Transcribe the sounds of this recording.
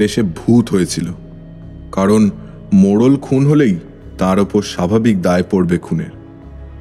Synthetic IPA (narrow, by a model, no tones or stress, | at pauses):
eʃebʱut̪ɦojet͡ɕʰilo | kaɾon | moɽolkʰunɦolej | t̪aɾopoɾʃabʱabik̚d̪aepoɾbekʰunḛɾ